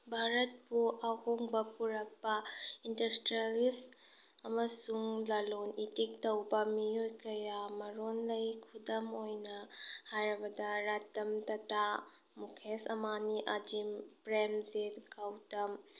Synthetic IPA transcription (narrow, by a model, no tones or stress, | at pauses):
bʱaɾɐt̚puʔɐhoŋbɐpuɾɐk̚pɐindɐstɾalis | ɐmɐsuŋlɐlonitik̚tɐwbɐmiojkɐjamɐɾonlɐjkʰudɐmojnɐhajɾɐbɐdɐɾatɐmtɐta | mukʰesɐmaniʔɐd͡ʒimpɾemzetɡawtɐm